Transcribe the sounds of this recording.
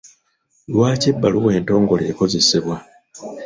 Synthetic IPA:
lwaːcibːaluwe̞ːnto̞ːŋɡo̞lḛːko̞ze̞siβwa

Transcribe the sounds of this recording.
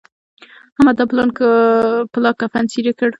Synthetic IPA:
hamad̪aplɑnkəpəlɑkafansiɾekəɽ

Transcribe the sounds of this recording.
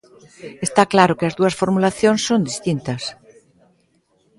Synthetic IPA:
est̪aklaɾʊkɪɐzðuɐsfoɾmulaθjõŋsːond̪ist̪int̪ɐs

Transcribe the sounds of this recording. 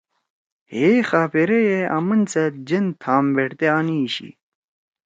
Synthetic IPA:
heːxaːpeɾejeʔɐ̰mɐnt͡set̪̚d͡ʑent̪ʰaːmbeʈt̪eaːniɕḭ

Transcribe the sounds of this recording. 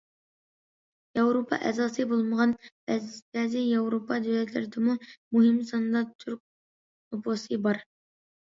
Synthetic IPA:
jɑwɾopʰɑ̰ʔɛ̰zɑːsɨbolˠməʁɑnbɛzb̥ɛzɪjɑwɾopʰɑd̪ywlɛt̪lɪɾɪd̪ɪmumuɦɪmsɑnd̪ɑt̪ʰyɾk̚ | oposɨbɑɾ

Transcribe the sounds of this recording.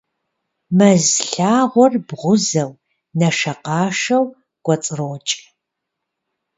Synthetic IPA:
mɐzɬaːʁʷɔrbʁʷʊzɐw | nɐʂɐqɑːʂɐw | ɡ̥ʷɔt͡sʼɨroːt͡ʃʼ

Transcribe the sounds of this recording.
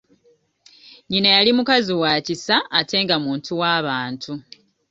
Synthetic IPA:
ɲinajalimukaziwaːcisaːte̞ːŋɡamuːntʰuwaːβaːntʰu

